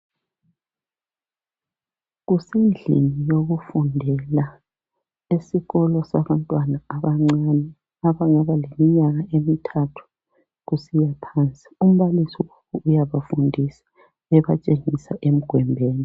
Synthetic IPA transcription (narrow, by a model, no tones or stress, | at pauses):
ɣusind͡ɮḭnijoɣufundʱɛla | esiɣɔlɔsaβantʼwanaβanɛ | aβaŋaβalemiɲaɣaʔemitʰatʰu̥ | ɣusijapʰaːnt͡sʼi̥um̩βalisiwakʰuujaβafundʱisḁ | ɛβat͡ʃʼeŋisa̰ʔem̩ɡ̥ʱwɛmbʱeːni